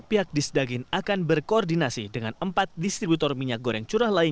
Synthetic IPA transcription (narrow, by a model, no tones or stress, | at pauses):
piɦak̚disdaɡɪnakanbərkoɔrdinasidəŋanəmpat̪̚dist̪ɾibut̪ɔrmiɲak̚ɡoɾɛŋt͡ʃuɾahlaiɲ